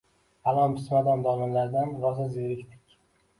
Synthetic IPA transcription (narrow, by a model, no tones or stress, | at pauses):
alˠɒnbɪsmad̪ɒnd̪ɒlɪmlaɾd̪anɾɒzazeɾɪkʲt̪ʰɪ̥kʲ